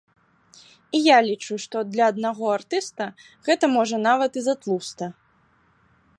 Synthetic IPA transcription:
ijalʲit͡ʂuʂt̪ɔd̪lʲɐːd̪naɣɔart̪ɨst̪ɐ | ɣɛt̪ɐmɔʐɐnavɐt̪izat̪lˠust̪ɐ

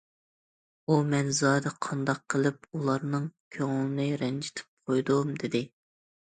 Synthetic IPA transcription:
umɛnzɑːd̪ɛqʰɑnd̪ɑqʰːəlˠɨp̚ulˠɑɾnɨŋkʲʰøŋʊlˠɪnɨɾɛnd͡ʒɪ̥t̪ʰɪ̥p̚qʰojd̪umd̪ɪd̪ɪ

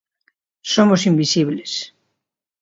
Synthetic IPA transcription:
somosimbisiβles

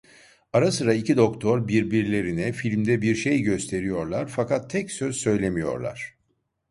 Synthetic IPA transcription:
aɾasɯɾaicʰid̪o̞kt̪ʰo̞ɾbiɾbiɾlʲe̞ɾinɛfilʲmd̪ɛbiɾʃejɟøst̪ʰe̞ɾijo̞ɾlˠaɾfakat̪ʰːɛcsøz̥sø̞jlʲe̞mijo̞̰ɾlˠa̰ɾ̝̥

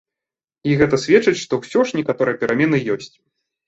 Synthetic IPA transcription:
iɣɛt̪ɐsʲvʲɛt͡ʂɨt͡sʲʂt̪ɔwsʲɔʂnʲɛkat̪ɔɾɨjɛpʲɛɾʔamʲɛnɨjɔsʲt͡sʲ

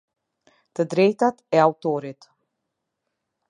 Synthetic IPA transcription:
t̪əd̪ɾejt̪at̪ɛawt̪ɔːɾit̪

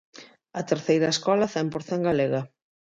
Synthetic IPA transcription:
ɐt̪eɾθejɾɐeskɔlɐθɛmpoɾθɛŋɡaleɣɐ

